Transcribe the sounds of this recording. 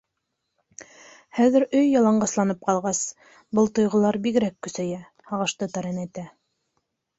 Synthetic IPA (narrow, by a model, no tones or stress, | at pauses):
hæðɘ̆ɾɵjːɑlˠɑɴɢɑslˠɑnɤp̚qɑlˠʁɑs | bɤlˠt̪ŏjʁɤ̆lˠɑɾbiɡɘ̆ɾækːɵ̆sæjæ | hɑʁɤ̆ʃt̪ɤt̪ɑɾɤnæjt̪æ